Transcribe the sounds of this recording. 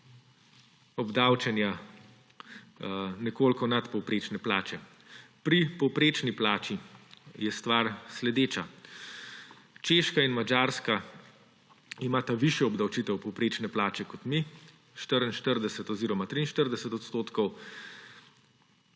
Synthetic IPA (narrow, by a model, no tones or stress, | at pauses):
ɔbd̪awt͡ʃɛnja | nɛkoːlkɔnat̪pɔwpɾeːt͡ʃnɛplaːt͡ʃɛ | pɾipɔwpɾeːt͡ʃniplaːt͡ʃijɛst̪ʋaɾslɛd̪eːt͡ʃa | t͡ʃeːʃkainmad͡ʒaɾska | imaːt̪aʋiʃjɛɔbd̪awt͡ʃit̪ɛwpɔwpɾeːt͡ʃnɛplaːt͡ʃɛkɔt̪mi | ʃt̪əɾinʃt̪əɾd̪ɛsɛt̪ɔziːɾɔmat̪ɾinʃt̪əɾd̪ɛsɛt̪ɔt̪st̪oːt̪kɔw